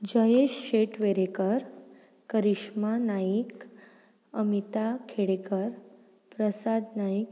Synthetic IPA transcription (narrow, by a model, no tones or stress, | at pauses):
d͡ʑəjeɕɕeʈʋeɾekəɾ | kəɾiʂmanaik | əmit̪akʰeɽekəɾ | pɾəsad̪najik̚